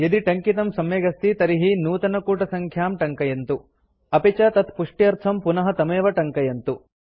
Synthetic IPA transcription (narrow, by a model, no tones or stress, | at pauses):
jɐd̪iʈɐŋkit̪ɐmsɐmjeːɡɐst̪it̪ɐɾiɦinuːt̪ɐnɐkuːʈɐsɐŋkʰjaːmʈɐŋkɐjɐnt̪u | ɐpit͡ʃɐt̪ɐt̪ʰpuʂʈiɐɾt̪ʰɐmpunɐɦɐt̪ɐmeːʋɐʈɐŋkɐjɐnt̪u